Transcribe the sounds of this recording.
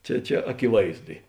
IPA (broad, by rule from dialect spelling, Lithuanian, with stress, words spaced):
ˈt͡ʃʲɛ ˈt͡ʃʲɛ ɐkʲɪˈʋɐɪzdʊ ɪ